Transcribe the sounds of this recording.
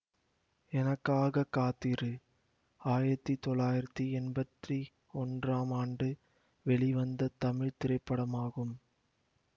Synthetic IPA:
ɛnɐkːaːɣɐkːaːt̪ːiɾɯ | aːjɪɾɐt̪ːit̪ɔɭːaːjɪɾɐt̪ːiɛnbɐt̪ri | ɔndraːmaːɳɖɯ | ʋɛɭiʋɐnd̪ɐt̪ɐmɪɻt̪ɪɾɐɪpːɐɽɐmaːɣɯm

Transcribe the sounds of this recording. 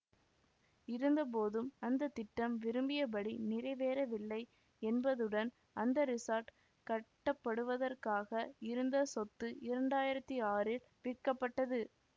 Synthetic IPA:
ɪɾɯnd̪ɐp̬oːðɯmɐnd̪ɐt̪ːɪʈːɐmʋɪɾɯmbɪjɐpɐɽinɪrɐɪʋeːɾɐʋɪɭːɐɪ | ɛnbɐðɯɽɐn | ɐnd̪ɐɾɪsɐːɾʈ | kɐʈːɐpːɐɽɯʋɐðɐrkaːɣɐɪɾɯnd̪ɐsɔt̪ːɯʔɪɾɐɳɖaːjɪɾɐt̪ːiaːɾɪl | ʋɪʈkɐpːɐʈːɐðɯ

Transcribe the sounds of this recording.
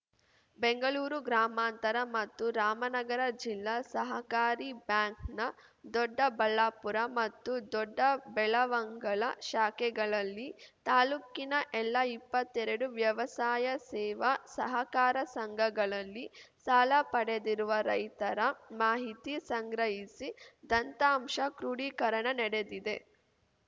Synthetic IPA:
beŋɡɐɭuːɾuɡɾaːmaːnt̪ɐɾɐmɐt̪ːuɾaːmɐnɐɡɐɾɐd͡ʒilːasɐɦɐkaːɾibjaːŋknɐ | d̪ɔɖːɐbɐɭːaːpuɾɐmɐt̪ːud̪ɔɖːɐbɛɭɐʋɐŋɡɐɭɐʃaːkɛɡɐɭɐlːit̪aːluːkinɐʔɛlːɐipːɐt̪ːɛɾɐɽuʋjɐʋɐsaːjɐsɛːʋɐsɐɦɐkaːɾɐsɐŋɡʱɐɡɐɭɐlːisaːlɐpɐɽed̪iɾuʋɐɾɐjt̪ɐɾɐmaːɦit̪isɐŋɡɾɐɦisid̪ɐnt̪aːmʂɐkɾuɽiːkɐɾɐɳɐnɛɽe̞d̪id̪e̞

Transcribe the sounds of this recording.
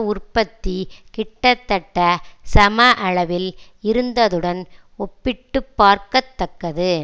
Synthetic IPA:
ʊrpɐt̪ːikɪʈːɐt̪ːɐʈːɐsɐmɐʔɐɭɐʋɪl | ɪɾɯnd̪ɐðɯɽɐn | ɔpːɪʈːɯpːaːɾkɐt̪ːɐkːɐðɯ

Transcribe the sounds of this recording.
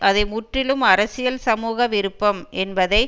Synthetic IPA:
ʔɐðɐɪmʊʈrɪlɯmɐɾɐsɪjɐlsɐmuːɣɐʋɪɾɯpːɐmʔɛnbɐðɐɪ

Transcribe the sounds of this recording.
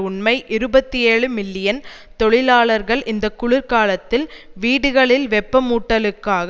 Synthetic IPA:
ʊɳmɐɪʔɪɾɯbɐt̪ːieːɻɯmɪlːɪjɐn | t̪ɔɭɪlaːɭɐɾɣɐɭʔɪnd̪ɐkːʊɭɪɾkaːlɐt̪ːɪlʋiːɽɯɣɐɭɪlʋɛpːɐmuːʈːɐlɯkːaːɣ

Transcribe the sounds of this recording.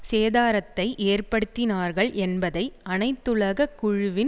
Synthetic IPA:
seːðaːɾɐt̪ːɐɪʔeːrpɐɽɯt̪ːɪnaːɾɣɐɭʔɛnbɐðɐɪɐnɐɪt̪ːɯɭɐɣɐkːʊɻʊʋɪn

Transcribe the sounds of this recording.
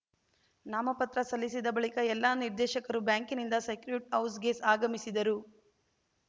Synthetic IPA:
naːmɐpɐt̪ɾɐsɐlːisid̪ɐbɐɭikɐɛlːaːniɾd̪ɛːʃɐkɐɾubjaːŋkinind̪ɐsɐjkɾuʈɐwsɡeːsaːɡɐmisid̪ɐɾu

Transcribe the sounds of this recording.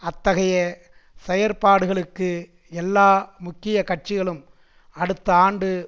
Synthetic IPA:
ɐt̪ːɐɣɐjɐ | sɛjɐɾpaːɽɯɣɐɭɯkːɯ | ɛlːaːmʊkːɪjɐkɐʈ̚t͡ʃɪɣɐɭɯm | ɐɽɯt̪ːɐaːɳɖɯ

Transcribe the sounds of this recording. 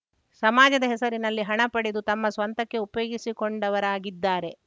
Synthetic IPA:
sɐmaːd͡ʒɐd̪ɐɦɛsɐɾinɐlːiɦɐɳɐpɐɽed̪ut̪ɐmːɐsʋɐnt̪ɐkːe̞upɐjoːɡisiko̞ɳɖɐʋɐɾaːɡid̪ːaːɾe̞

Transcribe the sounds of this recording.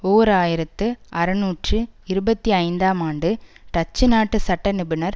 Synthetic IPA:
oːɾaːjɪɾɐt̪ːɯʔɐɾɯnuːʈrɯɪɾɯbɐt̪ːiɐɪnd̪aːmaːɳɖɯt̪ɐt͡ʃːɯnaːʈːɯsɐʈːɐnɪbɯnɐɾ

